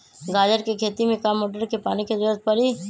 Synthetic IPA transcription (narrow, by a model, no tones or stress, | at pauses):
ɡaːd͡ʒəɾkekʰeːt̪imẽkaːmːoːʈəɾkepaːniked̪oɾət̪̚pəɾiː